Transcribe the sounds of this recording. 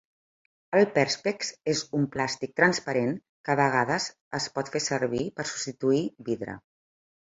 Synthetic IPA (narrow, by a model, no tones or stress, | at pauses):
əlˠpɛɾspeksezumplast̪ik̚t̪ɾənspəɾeŋ | kəβəɣ̞aðəz | əspɔt̪fesəɾβ̞ipəɾsu̥pst̪it̪uiβiðɾə̰